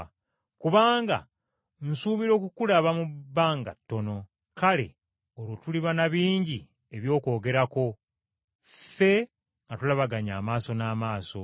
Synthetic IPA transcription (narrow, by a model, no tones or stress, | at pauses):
kuβaːŋɡa̰ | n̩suːβiɾo̞ːkukulaβamubːaːŋɡa̰tːo̞no̞ | kale̞̰ | oɾotuliβanaβiːɲɟi | e̞βjo̞ːko̞ːɡe̞ɾako̞ | fe̞ | ŋɡatulaβaɡaɲa̰ːmaːso̞naːmaːso̞